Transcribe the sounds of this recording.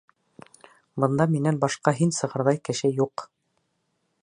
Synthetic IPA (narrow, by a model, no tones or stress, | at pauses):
bɤ̆nd̪ɑminænbɑʃqɑɦinsɤ̆ʁɤ̆ɾðɑjkɘ̆ʃɘjuq